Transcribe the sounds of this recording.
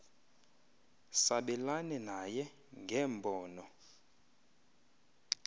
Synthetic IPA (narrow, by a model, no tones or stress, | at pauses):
saɓɛlanɛnajɛ | ŋɡʱɛːmbʱɔːnɔ